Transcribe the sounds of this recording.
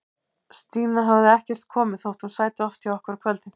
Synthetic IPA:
st̪iːnaɦavðɪɛhcɛr̥t̪̚kʰɔːmɪðθowt̪hunsaːjt̪ɪɔft̪ʰiawɔhkaɾakʰvœlt̪ɪ

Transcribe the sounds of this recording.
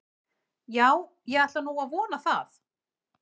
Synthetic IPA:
jaːw | jɛɣaht̪vanuwaðvɔːnaθaθ

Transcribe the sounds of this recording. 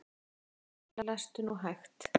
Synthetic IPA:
lalast̪ʏnuɦajxt̪

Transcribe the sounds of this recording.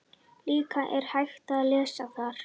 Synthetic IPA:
liːkaʔɛɾ̥hajxt̪aðlɛːsaθaɾ̥

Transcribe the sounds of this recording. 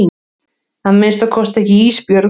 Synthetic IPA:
hanmɪnst̪akʰɔst̪ɛhcɪiːspjœɾ

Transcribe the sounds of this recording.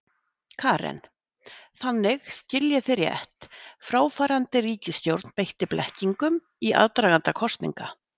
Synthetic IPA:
kʰaːɾɛ̰n | θanːɪɣscɪljɛfɪɾɪɛ̰ht̪fɾaːwfaːɾant̪ɪriːcɪst̪jowɾt̪npejht̪ɪplʔɛ̰hciŋkʏm | iʔa̰ðt̪ɾaːɣant̪akʰɔst̪nḭŋka

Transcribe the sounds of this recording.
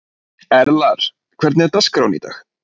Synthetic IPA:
ɛɾlaɾ̥ | kʰv̥ɛɾt̪nɛɾt̪askɾawnḭt̪a̰x

